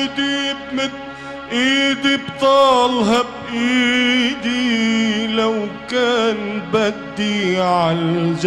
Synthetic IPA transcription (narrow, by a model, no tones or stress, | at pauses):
d̪i | ʔiːd̪ibt̪ˤɑːlɦabʔiːd̪i | lawkaːnbad̪ːiʕald͡ʒ